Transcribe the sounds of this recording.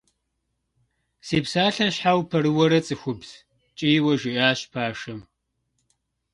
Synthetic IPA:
siːpsaːɬɐɕħawpʰɐɾɨwɐɾɐt͡sʼɨxʷʊbz̥ | t͡ʃʼiːwɐʒɪʔaːɕpʰaːʂɐm

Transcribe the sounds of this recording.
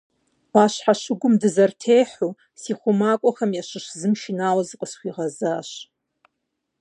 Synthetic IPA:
aʃħaʃɨɡʷʊmdɨzɐrtʰejħu | siχʷʊmakʷʼɔχɐmjaʃɨʃzɨmʃinawazɨqʼəsχʷiʁazaʃ

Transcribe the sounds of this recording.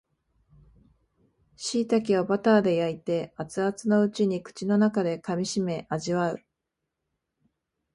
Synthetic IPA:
ɕiːt̪ak̬ʲiβabat̪aːd̪e̞jait̪e̞at͡sɨat͡sɨno̞ɯ̟t͡ɕiɲ̟ikɯ̟̥t͡ɕino̞nakad̪e̞kamʲiɕime̞ʔaʑiβaɯ̟

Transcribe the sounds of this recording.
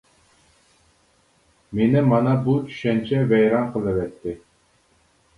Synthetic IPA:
menɪmɑnɑbut͡ʃ̪ʰy̥ʃɛnt͡ʃʰɛvɛjɾɑnqʰəlˠɨvɛt̪ːɪ

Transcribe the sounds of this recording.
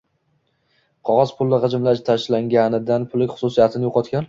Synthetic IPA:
qʰɒʁɒz̥pʰʊlˠːɪʁɨd͡ʒɪmlaʃt̪ʰaʃlaŋɡʲanɪd̪anpʰʊlɪkʲχʊ̥sʊsijat̪ʰɪnɪjoqʰɒt̪kʲan

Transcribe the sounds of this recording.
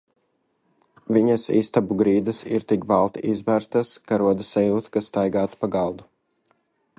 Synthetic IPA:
vʲiɲɐsḭst̪abuɡɾiːd̪ɐsiɾt̪ikbalˠt̪ʔizvæːɾst̪askaɾuɔd̪ɐsajuːt̪kasːt̪ajɡaːt̪u̥paɡɑlˠd̪u

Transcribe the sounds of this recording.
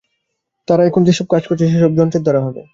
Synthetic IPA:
t̪aɾaɛkʰond͡ʑeʃɔb̚kad͡ʑkoɾt͡ɕʰiʃeʃɔb̚d͡ʑɔnt̪ed̪ɔɾaɦɔbḛ

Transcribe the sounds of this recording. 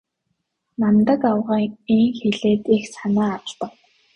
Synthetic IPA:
nant̪ə̆kawʁaːŋiŋxeɮeːt̪ixsanaːaw̆ɮt̪ə̆k

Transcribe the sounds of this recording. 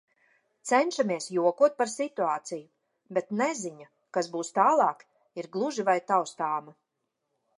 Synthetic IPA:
t̪sɛnʃamiɛsjuɔkuɔt̪̚paɾsit̪uaːt̪siju | bet̪nɛziɲa | kasbuːst̪aːlˠɑːk | iɾɡlˠuʒivajt̪awst̪aːma

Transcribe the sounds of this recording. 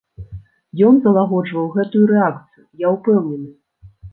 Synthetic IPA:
jɔnzɐlˠaɣɔd͡ʐvɐwɣɛt̪ujuɾɛak̚t̪sɨjujaupɛwnʲɛnɨ

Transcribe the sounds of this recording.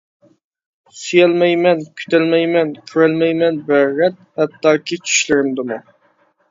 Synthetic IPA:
syjɛlmɛjmɛnkʲʰy̥t̪ɛlmɛjmɛnkʲʰyɾælmɛjmɛnbæʁɛt̪̚hɛt̪ːɑːkʰʲit͡ʃʰy̥ʃlɪɾɪmd̪ɪmu

